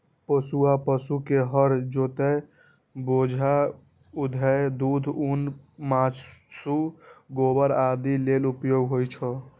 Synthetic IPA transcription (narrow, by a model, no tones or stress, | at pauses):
pəsuapəsukeɦəɾd͡ʒot̪ɛ | bod͡ʒʱa | ud̪ʱəd̪ud̪ʱunmãt͡ʃsuɡobəɾad̪ilelupjoɡɦojt͡ʃʰɔ